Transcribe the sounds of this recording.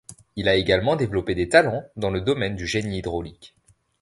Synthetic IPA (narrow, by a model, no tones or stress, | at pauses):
ilaeɡalmɑ̃d̪evlɔped̪et̪alɑ̃d̪ɑ̃ləd̪ɔmɛnd̪yʒeniːd̪ʁolik